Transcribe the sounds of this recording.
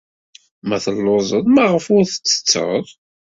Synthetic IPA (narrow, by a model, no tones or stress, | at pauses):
mæθəlːozˤəðˤmæʁəfʊɾθə̥t͡sːə̥t͡sːə̰ðˤ